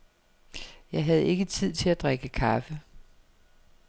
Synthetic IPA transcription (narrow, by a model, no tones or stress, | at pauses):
jɑ̈ɪɦæð̞ˠe̝ɡ̥ət͡sʰið̞̰ˠt͡sʰe̝læd̥ʁaɡ̥əkʰɑfə